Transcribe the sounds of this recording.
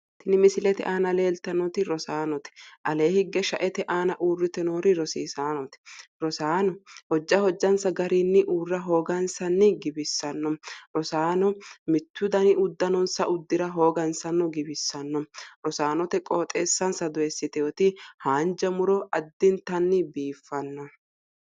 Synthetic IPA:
t̪ɪnɪmɪsɪlɛt̪ɛʔaːnɐle̞ːlt̪ɐnɔt̪ɪɾɔsaːnɔt̪ɛ̥ʔɐle̞ːhɪɡːɛʃɐʔɛt̪ɛʔaːnɐʔuːrːɪt̪ɛnoːɾɪɾɔsiːsaːnɔt̪ɛ̥ɾɔsaːnɔhɔd͡ʒːɐhɔd͡ʒːɐnsɐɡɐɾiːnːɪʔuːrːɐɦo̞ːɡɐnsɐnːɪɡɪbɪsːɐnːɔmɾɔsaːnɔmɪt̪ːʊd̪ɐnɪʊd̪ːɐnɔnsɐʔʊd̪ːɪɾɐɦo̞ːɡɐnsɐnːɔɡɪbɪsːɐnːɔɾɔsaːnɔt̪ɛkʼoːt̪ʼeːsːɐnsɐd̪ɔjɛsːɪt̪ɛɔt̪ɪhaːnd͡ʒɐmʊɾɔʔɐd̪ːɪnt̪ɐnːɪbiːfːɐnːɔ

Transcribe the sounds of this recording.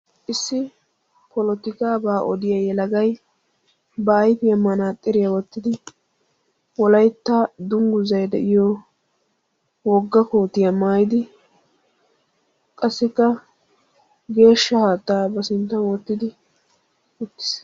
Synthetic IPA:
ʔɪsːɪ | pɔlɔt̪ɪkaːbaːʔɔd̪ɪjɐjɛlɐɡɐj | baːjt̪ɪjɐmːɐnaːt̪ʼːɪɾɪjɐwɔt̪ːɪd̪ɪ | wɔlɐjt̪ːaːd̪ʊŋɡʊzɐjd̪ɛ̰ʔɪjɔ | wɔɡːɐko̞ːt̪ɪjɐmaːjɪd̪ɪ | kʼɐsːɪkːɐ | ɡe̞ːʃːɐhaːt̪ːaːbɐsɪnt̪ːɐnwɔt̪ːɪd̪ɪ | ʔʊt̪ːɪ̥s

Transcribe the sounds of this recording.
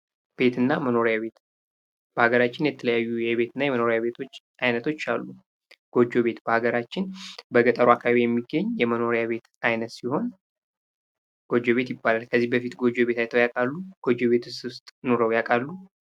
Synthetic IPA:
b̥e̞t̪ʰɨnːaməno̞ɾjaβe̞t̪ | b̥əhaɡəɾat͡ʃːɪnjɛt̪ʰələjajːujɛβe̞t̪ʰɨnːajɛməno̞ɾjaβe̞t̪ʰo̞t͡ʃː | ajnət̪ʰo̞t͡ʃːalːu | ɡ̥o̞d͡ʒːo̞βe̞t̪b̥əhaɡəɾat͡ʃːɪnbəɡət̪ʼəɾuakʰːaβaβijɛmːiɡːəɲjɛməno̞ɾjaβe̞t̪ajnət̪siho̞n | ɡ̥o̞d͡ʒo̞βe̞t̪jɪbːalalkʰəzːihbəfit̪ɡo̞d͡ʒo̞βe̞t̪ajt̪ʰəwjakʼalːuɡ̥o̞d͡ʒo̞βe̞t̪ʰɨst̪st̪ʼno̞ɾəwjakʼalːu

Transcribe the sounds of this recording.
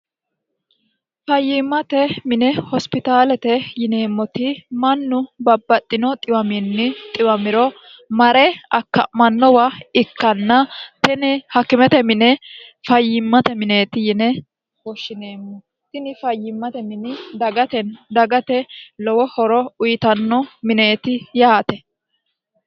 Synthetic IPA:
fɐjːɪmːɐt̪ɛmɪnɛhɔspɪt̪aːlɛt̪ɛjɪne̞ːmːɔt̪ɪmɐnːʊbɐbːɐt̪ʼːɪnɔt̪ʼɪwɐmɪnːɪt̪ʼɪwɐmɪɾɔ | mɐɾɛɐkːɐ̰mɐnːɔwɐɪkːɐnːɐt̪ɪnɛhɐkːɪmɛt̪ɛmɪnɛfɐjːɪmːɐt̪ɛmɪne̞ːt̪ɪjɪnɛ | wɔʃːɪne̞ːmːɔ | t̪ɪnɪfɐjːɪmːɐt̪ɛmɪnɪd̪ɐɡɐt̪ɛnd̪ɐɡɐt̪ɛlɔwɔhɔɾɔʊjɪt̪ɐnːɔmɪne̞ːt̪ɪjaːt̪ɛ

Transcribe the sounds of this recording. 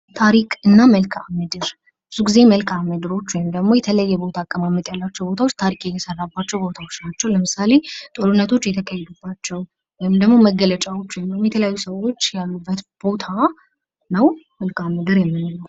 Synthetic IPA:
t̪ʰaɾikʼɨnːaməlkʰamɨd̪ɨɾ | bɨz̥uɡize̞məlkʰʼamɨd̪ɨɾo̞t͡ʃːwɔjmd̪əɡmo̞jɛt̪ʰələjajːɛbo̞t̪ʰakʼːəmamːət̪ʼjalːat͡ʃːɛwbo̞t̪ʰawot͡ʃːt̪ʰaɾikʼjɛt̪ʰəsərːabːat͡ʃːɛwbo̞t̪ʰawo̞t͡ʃːnat͡ʃːɛwləmɨsale̞t̪ʼolunːət̪ʰo̞t͡ʃːjɛt̪ʰəkʰajɛd̪ubːat͡ʃːɛw | wjɪmd̪əɡmo̞məɡələt͡ʃʼawo̞t͡ʃːwɔjmwjmjɛt̪ʰələjajːusəwo̞t͡ʃːjalːubːət̪b̥o̞t̪ʰa | nəw | məlkamɨd̪ɨɾjɛmːɨnɨluw

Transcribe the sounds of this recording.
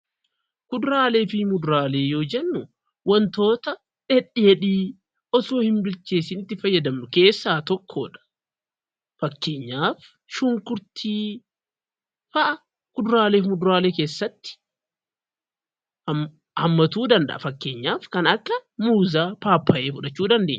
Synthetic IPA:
kʊd̪ɾaːle̞ːfɪmʊd̪ʊɾaːle̞ːjo̞ːd͡ʒɛnːʊ | wɐnt̪o̞ːt̪ɐ | ᶑɛᶑɛɛᶑiː | ʔɔsoːhɪnbɪlt͡ʃeːsɪnɪt̪ːɪfɐjːɐd̪ɐmnʊke̞ːsːaːt̪ɔkʰːo̰ːᶑɐ̥ | fɐkːeːɲːaːf | ʃʊŋkʊɾt̪ʰiː | fɐʔɐ | kʊd̪ʊɾaːle̞ːfmʊd̪ʊɾaːleːke̞ːsːɐt̪ːɪ̥ | hɐmːɐt̪uːd̪ɐnd̪ɐ̰ʔɐfɐkːe̞ːɲːaːfkɐnɐkːɐmuːzaːpaːpːɐʔeːfʊᶑɐt͡ʃːuːd̪ɐnd̪eːɲː

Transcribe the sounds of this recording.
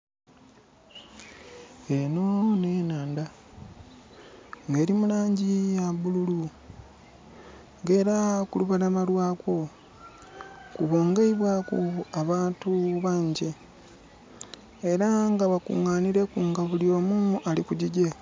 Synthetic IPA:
enonenaːnda | ŋɡe̞ːɾimulaːɲɟijaβululu | ŋɡe̞ːɾakuluβalamalwaːkwo̞ | kuβo̞ːŋɡeiβwakuaβaːntuβaːɲɟe̞ | eɾaŋɡaβakṵŋaːniɾe̞kuŋɡaβulio̞ːmualikuɟiɟe

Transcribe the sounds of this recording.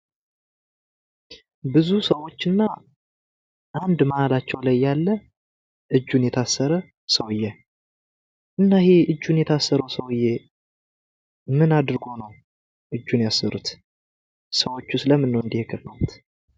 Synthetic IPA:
bɨzusəwo̞t͡ʃːɨnːa | ʔand̪məʔalat͡ʃːɛwlajːalːə | ʔɨd͡ʒːunjɛt̪ʰasːəɾə | səwɨjːɛ | ʔɨnːaheʔɨd͡ʒːunjɛt̪ʰasːəɾəwsəwɨjːɛ | mɨnad̪ɾɡo̞nəw | ʔɨd͡ʒːunjasːəɾut̪ | səwo̞t͡ʃːusɨləmːɨnːəwɨnd̪ihekʰəfəwut̪

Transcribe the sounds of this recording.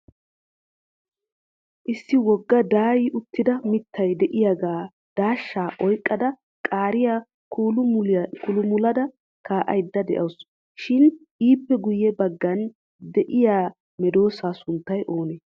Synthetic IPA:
ʔɪsːɪwɔɡːɐd̪aːjɪʔʊt̪ːɪd̪ɐmɪt̪ʰːɐjd̪ɛʔɪjaɡaː | d̪̥aːʃːaːʔɔjkʼːɐd̪ɐ | kʼaːɾɪja | kʊlʊmʊlɐd̪ɐ | kaːʔɐ̰jd̪ːɐd̪ɛʔɐws | ʃɪnʔiːpːɛɡʊjːɛbɐɡːɐn | d̪ɛʔɪjaː | mɛd̪o̞ːsaːsʊnt̪ːɐjʔo̞ːnɛ

